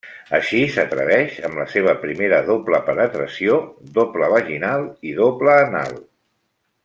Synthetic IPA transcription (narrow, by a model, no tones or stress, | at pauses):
əʃisət̪ɾə̰βɛʃəmləseβ̞əpɾimeɾəðopləpənət̪ɾəsiod̪opləβəʒinalˠiðopləːna̰lˠ